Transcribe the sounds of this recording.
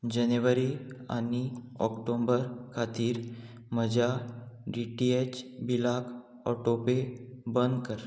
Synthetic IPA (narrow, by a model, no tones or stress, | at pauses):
d͡ʑənjʋəɾia̰ni | ɔ̰kʈombəɾkʰat̪iːɾ | m̤əd͡ʑʱaɖiʈiet͡ɕbilak | ɔ̰ʈopebənd̪kəɾ